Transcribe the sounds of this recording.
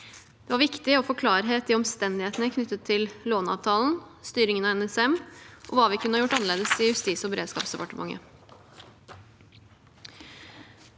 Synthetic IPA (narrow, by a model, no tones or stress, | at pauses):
d̪̥ɛʋɑɾʋɪkt̪ɪɔfoːkʰlɑːɾəɦeːt̪̚ɪɔmst̪ɛnd̪ɪheːt̪nəkʰnʏt̪ːət̪ʰːɪlloːnɑ̰ːʋt̪ʰɑːln̩st̪yːɾɪŋənɑɛnɛsɛmʔɔ̰ʋɑːʋɪkʰʉnəhɑjʊʈːɑnəɭeːd̪əsɪjʉst̪iːsɔbəɾeːd̪skɑ̰ːpsd̪əpɑʈəmʔɑ̰ŋːə̰